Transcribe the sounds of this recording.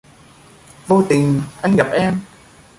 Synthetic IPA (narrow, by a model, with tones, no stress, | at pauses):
vo˧t̪ï˨˩ŋ̟ʔa˧jŋ̟ɣa˨˩p̚ʔɛ˧m